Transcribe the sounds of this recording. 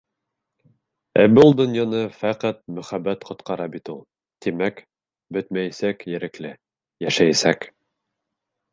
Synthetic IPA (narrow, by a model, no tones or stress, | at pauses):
æ̰bulˠd̪ŏnjɑnɤfæqɑt̪̚mɵ̆χæbːæt̪qʰŏt̪qɑɾɑbit̪ulˠ | t̪imæk | bɵt̪mæjæsækjɘ̆ɾɘ̆klɘ | jæʃæjæsæk